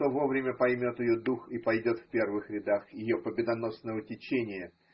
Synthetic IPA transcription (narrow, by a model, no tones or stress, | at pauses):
o̞vo̞vɾʲɪmʲəpɐjmʲo̞t̪ɪjod̪uxipɐjdʲo̞t̪fʲpʲe̞rvɨxɾʲɪd̪axjɪjo̞pəbʲɪd̪ɐno̞snəvətʲɪt͡ɕenʲɪjə